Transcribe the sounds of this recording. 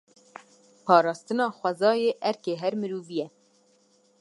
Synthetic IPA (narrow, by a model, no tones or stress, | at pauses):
pʰɑːɾɑːst̪ɨnɑːxʷɛzɑːjeːʔɛɾkeːɦɛɾmɨɾuːvijɛ